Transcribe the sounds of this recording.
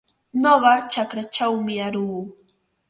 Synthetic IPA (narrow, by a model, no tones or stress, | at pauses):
noɢɑt͡ʃakɾat͡ʃawmɪaɾuː